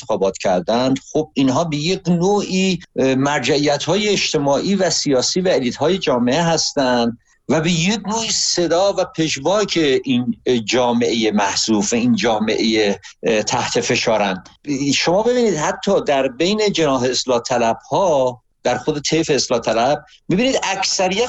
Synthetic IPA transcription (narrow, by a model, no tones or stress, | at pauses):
exɒːbɒːt̪cʰæɾd̪ænd̪̥xob̥̚inɦɒːbejeknoːʔiːmæɾd͡ʒæijæt̪hɒːje̞ːʃt̪ʰe̞mɒːʔiːvæsijɒːsiːvæeliːt̪hɒːje̞d͡ʒɒːme̞eɦæst̪ænd̪ | væbejeknoːiːse̞d̪ɒːvæpʰe̞ʃvɒːcʰeʔind͡ʒɒːmeʔejemæhz̥uːfæind͡ʒɒːme̞̰ʔejet̪ʰæht̪ʰe̞fe̞ʃɒːɾænd̪ʃo̞mɒːbe̞biːniːd̪hæt̪ʰːɒːd̪æɾbe̞jne̞d͡ʒe̞nɒːɦe̞ːslɒːt̪ʰælæb̥hɒː | d̪̥æɾxod̪e̞t̪ʰefeːslɒːt̪ʰælæb̥̚ | miːbiːniːd̪ækʰsæɾijæ